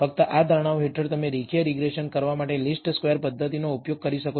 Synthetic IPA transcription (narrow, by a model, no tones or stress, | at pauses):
fək̚t̪əʔad̪ʱəɾɽ̃aʋoɦeʈʰəɾt̪əmeɾikʰijəɾiɡɾeʃənkəɾʋamaʈelisʈskʋeəɾpəd̪ʱːət̪inoupjoɡ̚kəɾiʃəko